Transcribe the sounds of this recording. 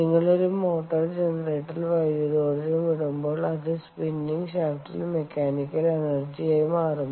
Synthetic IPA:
niŋːɐɭo̞ɾumo̞ːʈːɐrd͡ʑenɐreːʈːilʋɐjɐðoːrɐðumʋiɽumbo̞ːɭɐðɨspinːiŋɡɕaːfʈḭlmekːaːnikʲːɐlenɐrd͡ʑiejumaːrɐmː

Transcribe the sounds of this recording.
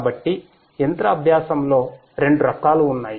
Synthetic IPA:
bɐʈːi | ent̪ɾɐːbʱjaːsɐmlo̞ː | ɾe̞ɳɖuɾɐkaːluːnːaːji

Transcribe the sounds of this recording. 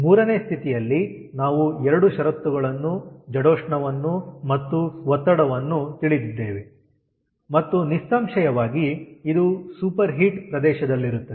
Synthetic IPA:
muːɾɐne̞ːst̪ʰit̪ijɐlːi | naːʋuɛɾɐɽuʃɐɾɐt̪ːuɡɐɭɐnːud͡ʒɐɽoːʂɳɐʋɐnːumɐt̪ːuʋɔt̪ːɐɽɐʋɐnːut̪iɭid̪id̪ːeːʋe | mɐt̪ːunist̪aːmʂɐjɐʋaːɡiid̪usuːpɐɾɦiʈpɾɐd̪ɛːʃɐd̪ɐlːiɾut̪ːɐe

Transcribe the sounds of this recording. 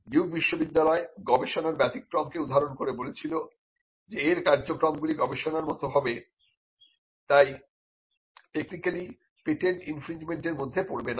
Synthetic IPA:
ɡiwk̚biʃːobid̪ːalɔeɡɔbeʃonaɾbɛt̪ik̚kɾɔmkeud̪ʱːaɾonkoɾebolet͡ɕʰilo | d͡ʑeeɾkaɾd͡ʑokɾɔmɡuliɡɔbeʃonaɾmɔt̪oɦɔbe | t̪aj | ʈeknikali | peʈeninfɾind͡ʑmeɳʈeɾmod̪ʱːepoɾbena

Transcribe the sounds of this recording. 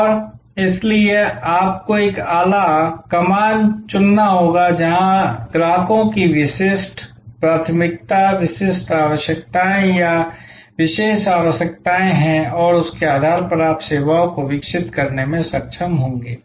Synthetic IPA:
ɔːɾ | ɪslieaːp̚koeːkaːlakɐmaːnt͡ʃʊnːaɦoːɡad͡ʒɐɦãɡɾaːɦəkõkiʋɪʃɪsʈ | pɾaːt̪ʰmɪk̚t̪aʋɪʃɪsʈaːʋəʃjəkt̪aːẽja | ʋɪʃeːʃaːʋəʃjəkt̪aːẽɦɛ̃ɔːɾʊskeaːd̪ʱaːɾpɐɾaːpseːʋaõkoʋɪkʃɪt̪kɐɾnemẽsɐkʃʰəmɦõːɡeː

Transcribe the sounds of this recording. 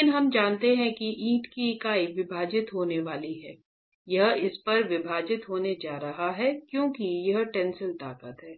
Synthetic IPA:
ɪnɦɐmd͡ʒaːnt̪eɦɛ̃kiʔĩːʈkiɪkaːiʋɪbʱaːd͡ʒɪt̪ɦoːneʋaːliɦɛː | jɐɦɪspɐɾʋɪbʱaːd͡ʒɪt̪ɦoːned͡ʒaːɾɐɦaɦɛkjõːkijɐɦʈɛ̃ːnsəlt̪aːkət̪ɦɛː

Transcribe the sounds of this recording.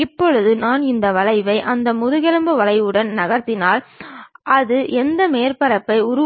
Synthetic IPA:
ɪpːɔɻɯðɯnaːnɪnd̪ɐʋɐlɐɪʋɐɪʔɐnd̪ɐmʊðɯɣɛlɯmbɯʋɐɭɐɪʋɯɽɐnnɐɣɐɾt̪ɪnaːlʔɐðɯʔɛnd̪ɐmeːɾpɐɾɐpːɐɪʊɾʊ

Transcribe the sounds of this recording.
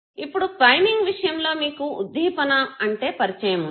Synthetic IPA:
ipːuɽukɾɐjmiŋɡʋiʂɐjɐmlo̞ːmiːkuṵd̪ʱːiːpɐnɐɐɳʈe̞ːpɐɾit͡ʃɐjɐmun

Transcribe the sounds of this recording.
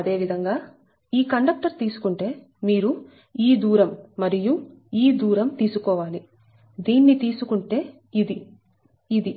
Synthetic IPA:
ɐd̪e̞ːʋid̪ʱɐŋɡaː | iːkɐɳɖɐk̚ʈɐɾt̪iːsu̥kuɳʈe̞ː | miːɾu | iːd̪uːɾɐmːɐɾijuiːd̪uːɾɐmt̪iːsukɔːʋaːli | d̪iːnːit̪iːsukuɳʈe̞ː | id̪iː | d̪i

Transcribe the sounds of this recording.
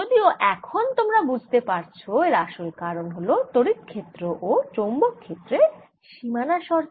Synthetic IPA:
od̪ioʔɛkʰont̪omɾabud͡ʑʱt̪epaɾt͡ɕʰoeɾaʃoekaɾonɦolot̪oɾit̪kʰet̪ːɾoʔot͡ɕombokkʰːet̪ːɾe | ʃimanaʃɔɾ

